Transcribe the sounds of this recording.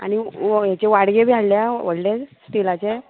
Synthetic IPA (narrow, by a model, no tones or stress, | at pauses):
a̰ɽ̃ñijat͡ɕeʋaɽɡebʱjaɽljaʋəɽlesʈilat͡ɕe